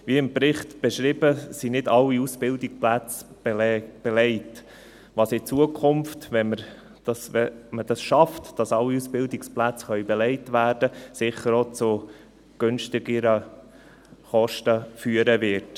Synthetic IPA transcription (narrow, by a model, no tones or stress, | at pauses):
ʋiəɪmpɾɪχtb̥ɛʃɾiːbəsinɪdɑlːiusb̥ɪldikplæt͡sb̥ɛb̥ɛlɛɪt | ʋɑsɪt͡suəkʰχʊmftʋɛməɾ | d̥ɑsɛməd̥ɑsʃɑftd̥ɑsɑlːiusbɪldɪksplæt͡sχœʏbɛlɛɪtʋæːɾd̥əsɪχːəɾot͡sʊ | ɡ̥ønʃtɪɡəɾə | χɔʃtəfyəɾəʋɪɾt